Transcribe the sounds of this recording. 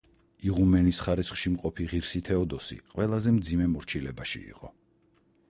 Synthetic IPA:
iʁumɛnisχaɾɛt̪sʰχʃimqʼɔpʰiʁiɾsit̪ʰɛɔd̪ɔsḭqʼwɛlˠazɛmd̪zimɛmɔɾt͡ʃʰilɛbaʃḭḭqʼɔ̰

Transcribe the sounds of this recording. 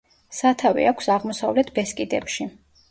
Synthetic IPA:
sat̪ʰavḭakʷʰsaʁmɔsavlɛt̪ʰbɛskʼid̪ɛpʃi

